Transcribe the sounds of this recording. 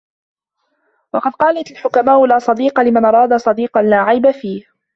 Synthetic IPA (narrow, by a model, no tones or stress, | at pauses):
wɑqɑd̪̚qɑːlat̪alħʊkamaːʔʊlaːsˤɑd̪iːqɑlɪmanʔɑɾˤɑːd̪asˤɑd̪iːqɑnːaːʕajbafiːh